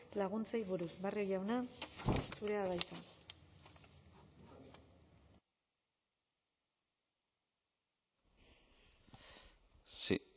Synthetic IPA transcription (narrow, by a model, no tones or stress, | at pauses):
laɣ̞unt͡sajβuɾusbariojʝawna | suɾe̞aðajt̪a | s